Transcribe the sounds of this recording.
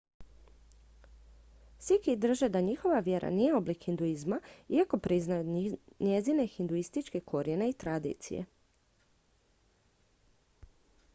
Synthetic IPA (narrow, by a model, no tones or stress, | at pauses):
sʋikid̪r̩ʒed̪aɲixo̞ʋaʋje̞ɾʔa̰nije̞o̞blikxind̪uizmaiako̞pɾiznajuɲezine̞xind̪uist̪it͡ʃke̞kʰo̞ɾjeneit̪ɾad̪ḭːt̪sḭjḛ